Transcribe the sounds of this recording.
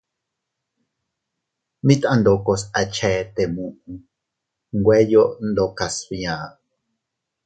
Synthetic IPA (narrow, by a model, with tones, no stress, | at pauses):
mĩ˦t̪ʔã˧nd̪o˨ko˧sa˨t͡ʃʰɛ˨˦t̪e˨mũ˧ʔũ˧ | ŋɡwe˦jo˦ʔnd̪o˨ka˨sβj̃ãː˨